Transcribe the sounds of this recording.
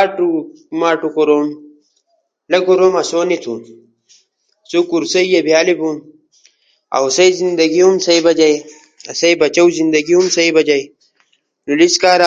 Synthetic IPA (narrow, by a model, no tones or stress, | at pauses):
aʈumaːʈukoɾoːm | lɐɡoɾoːmɐsoːnit̪ʰṵːn | sukuɾsɐijɐbʱjaːlibun | ɐ̰wsɐjzind̪ɐɡiumsɐibɐd͡ʑɐj | ɐ̰sɐjbɐt͡ɕɐwzind̪ɐɡiumsɐibɐd͡ʑɐj | nuliskaːɾ